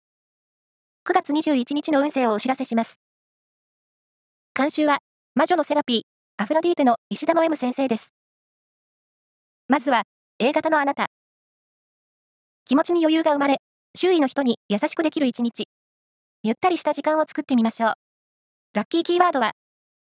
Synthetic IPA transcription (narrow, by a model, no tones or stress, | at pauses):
kɯ̟ɡat͡sɨɲ̟iʑɨːit͡ɕiɲ̟it͡ɕino̞ɯ̟̃ɰ̃se̞ːo̞ːɕiɾase̞ɕimasɨ̥ | kãɕɨːβa | maʑo̞no̞se̞ɾapʲiː | aɸɯ̟ɾad̪ʲiːt̪eno̞iɕid̪amaβemɯ̟sẽ̞ɰ̃se̞ːd̪e̞sɨ̥ | mazɨβa | e̞ːɡat̪ano̞anat̪a | kʲimo̞t͡ɕiɲ̟ijo̞jɯ̟ːɡaɯ̟maɾe̞ | ɕɨːino̞çʲi̥t̪o̞ɲ̟ijasaɕi̥kɯ̟d̪e̞kʲiɾɯ̟it͡ɕiɲ̟it͡ɕi | jɯ̟t̪ːaɾʲiɕi̥t̪aʑikãɰ̃o̞t͡sɨ̥kɯ̥t̪ːe̞mʲimaɕo̞ː | ɾakʲːiːkʲiːβaːd̪o̞βa